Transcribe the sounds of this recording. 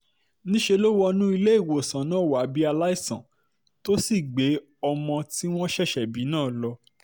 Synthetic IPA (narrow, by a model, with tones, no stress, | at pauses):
nĩ˦ʃe˧lo˦wɔ˧nũ˦i˧le˦i˦˨wo˨sã˨nãː˨˦˨wa˨˦bi˦a˧la˦i˦˨sã̰˨ | to˦si˦˨ɡ͡be˨˦ | ɔ˧mɔ̃˧ti˦w̃ɔ̃˦ʃɛ˦˨ʃɛ˨bi˨˦nãː˦˨lɔ˧